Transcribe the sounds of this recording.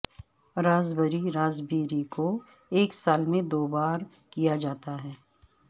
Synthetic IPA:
ɾaːzbəɾiɾaːzbiːɾiko | eːksaːlmẽd̪oːbaːɾ | kijad͡ʒaːt̪aɦɛː

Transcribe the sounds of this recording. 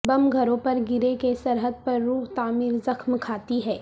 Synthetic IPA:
bɐmɡʱɐɾõpɐɾɡɪɾekesɐɾɦəd̪̚pɐɾːuːɦt̪aːmiːɾzɐxmkʰaːt̪iɦɛː

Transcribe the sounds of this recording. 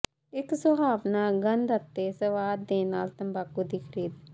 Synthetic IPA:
ɪksəbaːʋnaːɡənd̪ət̪ːeːsəʋaːd̪ːẽːnaːlt̪əmbaːkuːd̪iːkʰəɾiːd̪

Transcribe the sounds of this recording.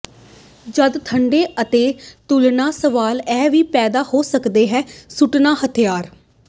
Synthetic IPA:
d͡ʒəd̪t̪ʰəɳɖeːət̪eːt̪ʊlnaːsəʋaːlɛːʋiːpɛːd̪aːhoːsəkd̪eːɦɛːsʊʈnaːhət̪ʰjaːɾ

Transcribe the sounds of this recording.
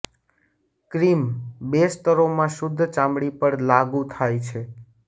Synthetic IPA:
kɾimbest̪əɾomãʃʊd̪ʱːt͡ʃãmɽipəɽlaɡũt̪ʰajt͡ʃʰe

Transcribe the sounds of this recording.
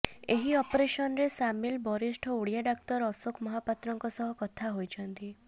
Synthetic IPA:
eɦiɔpɾeʃɔnɾesamilbɔɾisʈʰɔuɽijaɖak̚t̪ɔɾɔsokmɔɦapat̪ɾɔŋkɔsɔɦɔkɔt̪ʰaɦojd͡ʒɔnt̪i

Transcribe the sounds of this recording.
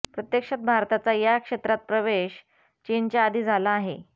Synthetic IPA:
pɾət̪jəkʂat̪̚bʱaɾt̪at͡sajakʂet̪ɾat̪̚pɾəʋeɕ | t͡ɕiːnt͡ɕjaːd̪ʱiːd͡zʱalaːɦe

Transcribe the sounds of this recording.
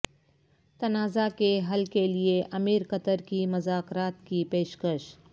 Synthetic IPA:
t̪ɐnaːzakeɦɐlkelieʔɐmiːɾkɐt̪əɾkimʊzaːkɾaːt̪kipeːʃkəʃ

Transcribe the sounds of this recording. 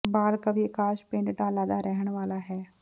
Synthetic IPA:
baːlkabʱiekaːʃpẽːɳɖɖaːlaːd̪aɾɛɦəɽ̃ʋaːlaɦɛː

